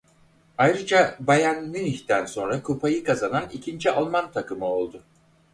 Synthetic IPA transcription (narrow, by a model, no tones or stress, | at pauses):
ajɾɯd͡ʒabajanːɯniçt̪ʰænso̞nɾakʰupʰajɯkʰazananicʰind͡ʒialˠmant̪ʰakʰɯmɯo̞lˠd̪ʊ